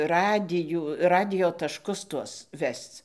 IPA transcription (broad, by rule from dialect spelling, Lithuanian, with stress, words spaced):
ˈrɑːdʲɪjuː ˈrɑːdʲɪjoː tɐʃˈkʊs ˈtuɔs ˈʋʲɛst͡s